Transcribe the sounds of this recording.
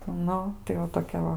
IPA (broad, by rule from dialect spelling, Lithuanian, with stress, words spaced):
ˈnʊ tɐɪ ʋɐ toːˈkʲɛ ˈʋɐ